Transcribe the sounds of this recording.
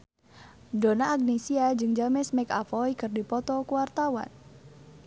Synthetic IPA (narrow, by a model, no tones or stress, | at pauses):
donaːɡ̚nesiad͡ʒɨŋd͡ʒamɛsmɛka̰fɔjkɨrdipɔt̪ɔkuwart̪awa̰n